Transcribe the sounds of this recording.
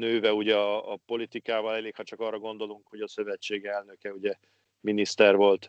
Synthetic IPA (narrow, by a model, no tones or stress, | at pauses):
nøːvɛuɟɛɒːpo̞lit̪ikaːvɒlɛleːkhɒt͡ʃɒkɒːrːɒɡo̞nd̪o̞luŋkho̞ɟɒsø̞vɛt͡ʃːeːɡɛlnø̞kɛuɟɛ | minist̪ɛrvo̞lt̪